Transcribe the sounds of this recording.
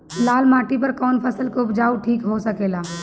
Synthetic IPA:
laːlmaːʈipɐɾkɔːnpʰɐsəlkoʊpd͡ʒaːuʈʰiːkɦosɐkeːlaː

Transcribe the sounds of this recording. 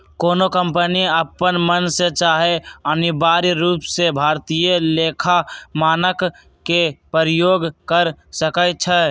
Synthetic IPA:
koːnokəmpəniəpənmənset͡ʃaːɦeənibaːɾiɾuːpsebʱaːɾt̪ijəleːkʰamaːnəkː | epəɾjoːɡkəɾsəkət͡ʃʰɛ

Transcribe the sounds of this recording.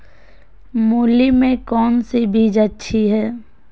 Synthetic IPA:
muːlimẽkɔːnsibʱiːd͡ʒətːʃʰiɦɛː

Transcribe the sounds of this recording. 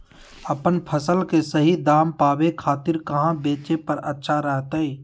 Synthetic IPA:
ɐpənpʰəsəlkesəɦid̪aːmpaːbekʰaːt̪ɪɾkɐɦãbeːt͡ʃepɐɾɐtːʃʰaɾɛɦt̪əiː

